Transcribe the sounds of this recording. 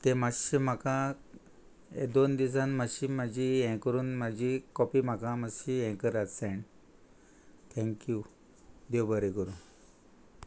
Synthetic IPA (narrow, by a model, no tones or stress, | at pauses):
t̪emaɕim̤akã | ḛd̪ond̪isãnməɕiːmad͡ʑʱiɛ̃kəɾuːnmad͡ʑʱikɔpim̤akãmaɕiɛ̃kəɾad͡zseɳ | t̪ʰɛ̃ŋkju | d̪ewbəɾekəɾuːn